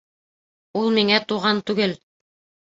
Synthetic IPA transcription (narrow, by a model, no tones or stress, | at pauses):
ulˠmiŋæt̪uʁɑnt̪ʉɡɘl